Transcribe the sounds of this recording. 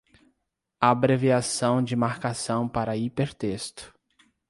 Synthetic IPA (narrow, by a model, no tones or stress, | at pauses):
abɾeviasɐ̃w̃d͡ʒɪmaɾkasɐ̃w̃paɾɐipeɾt̪est̪ʊ̥